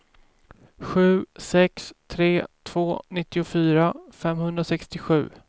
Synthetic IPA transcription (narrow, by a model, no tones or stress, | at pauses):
ɧʉ̟ːsɛkst̪ʰɾeːt̪ʰv̥oːnɪt̪ːɪʊfyːɾafɛmhɵnd̪ɾasɛkst̪ɪɧʉ̟ː